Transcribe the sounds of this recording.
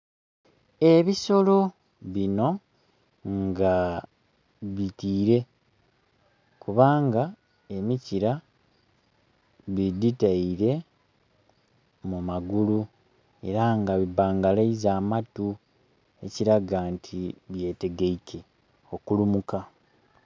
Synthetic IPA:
e̞βiso̞lo̞ | βino̞ | ŋɡa | βitiːɾe̞ | kuβaːŋɡa | e̞miciɾa | βiditaiɾe̞ | mumaɡulu | e̞̰ɾaŋɡaβibaːŋɡalaizaːmatu | e̞ciɾaɡantʰiβje̞ːte̞ɡeike̞ | o̞kulumuka

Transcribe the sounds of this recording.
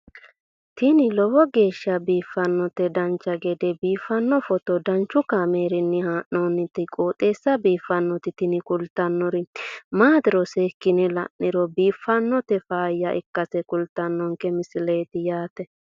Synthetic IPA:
t̪ɪnɪlɔwɔɡe̞ːʃːɐbiːfːɐnːɔt̪ɛd̪ɐnt͡ʃːɐɡɛd̪ɛbiːfːɐnːɔfɔt̪ɔd̪ɐnt͡ʃːʊkameːɾɪnːɪhaːʔnonːɪt̪ɪkʼoːt̪ʼe̞ːsːɐbiːfːɐnːɔt̪ɪt̪ɪnɪkʊlt̪ːɐnːɔɾɪmaːd̪ɪɾɔseːkːɪnɛlɐ̰ʔɪɾɔbiːfːɐnːɔt̪ɛfaːjːɐʔɪ̰kːɐsɛkʊlt̪ːɐnːɔŋkɛmɪsɪleːt̪ɪjaːt̪ɛ

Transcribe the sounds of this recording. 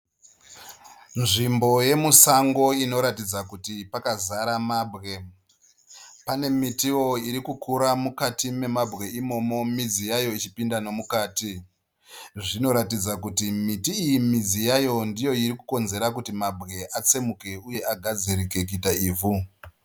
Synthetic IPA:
nʐimbo̞je̞musaŋɡo̞ino̞ɾatid͡zakutipakazaɾamaːbʱɣe̞ | pane̞mitiwo̞iɾikukuɾamukatime̞mabʱɣe̞imo̞mo̞mid͡zijajo̞it͡ʃipindano̞mukaːti | ʐino̞ɾatid͡zakutimitiːjimid͡zijajo̞ndijo̞iɾikuko̞nze̞ɾakutimabʱɣe̞ʔat͡se̞muke̞uje̞ʔaɡʱad͡ziɾike̞kuitaiːvu

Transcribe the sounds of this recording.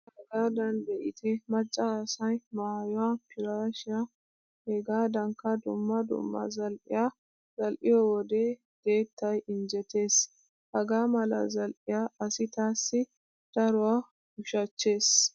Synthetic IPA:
hɛɡaːd̪ɐnd̪ɛʔɪt̪ʰɪmɐt͡ʃʼːɐːsɐjmaːjɔwapʰɪɾaːʃɪja | hɛɡaːd̪ɐŋkɐd̪ʊmːɐd̪ʊ̰mːɐ̰zɐlʔɪ̰ja | zɐlʔɪjɔwɔd̪eː | d̪̥e̞ːt̪ːɐjɪnd͡ʒɛt̪e̞ːs | hɐɡaːmɐlɐ̰zɐlʔɪjaɐsɪt̪aːsːɪ | d̪̥ɐɾʊwa | ɡʊʃɐt͡ʃːe̞ːs

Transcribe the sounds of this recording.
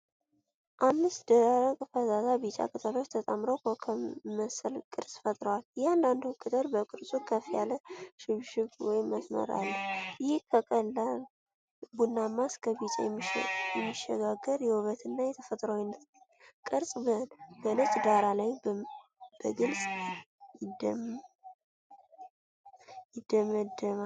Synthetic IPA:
ʔamːɨst̪d̪əɾakʼɨfəzat̪abit͡ʃʼa̰kʼɨt̪ʰəlo̞t͡ʃːt̪ʰət̪ʼəmɾəwkʰəkʰəməsəlkʼɨɾsʼfət̪ʼɾəwaljihand̪and̪ukʰʼːɨt̪ʼəɾbəkʼɨɾsʼukʰəfijaləʃɪβʃɪkwɔjməsmə̰ɾa̰lːəhjhkʰəkʼəlːal | bunːamːaskʰəβit͡ʃʼɛ̰jɛmːiʃːəɡaɡːəɾjɛwɨβət̪ɨnːajɛt̪ʰəfət̪ʼɾəwinːət̪ | kʼɨɾsʼbənbəlɨt͡ʃʼd̪aɾalaj | b̥əɡɨlsʼ | d | jɪd̪̥ːəməd̪ːəma

